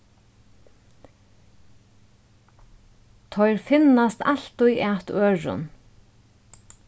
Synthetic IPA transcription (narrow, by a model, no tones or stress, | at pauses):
t̪ʰɔjɾfɪnast̪al̥t̪ʊjʔæːt̪øːɹʊ̰n